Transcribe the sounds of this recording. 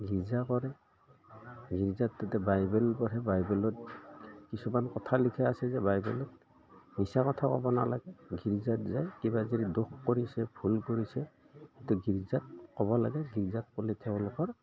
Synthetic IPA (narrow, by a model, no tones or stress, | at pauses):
ɡʱiɹzakɔɾɛ | ɡʱiɹzatːatɛbajbɛlpɔɾɛbajbɛlɔtkisumankɔtʰalikʰɛasɛzɛbajbɛlɔt̚ | misakɔtʰakɔ̰bɔna̰la̰ɡɛɡʱiɹzatzajkibaziɾidoxkoɹisɛbʱulkoɹisɛ | ituɡʱiɹzat̚kɔbɔlaɡɛɡʱiɹzat̚kɔlitʰɛɔlɔkɔɹ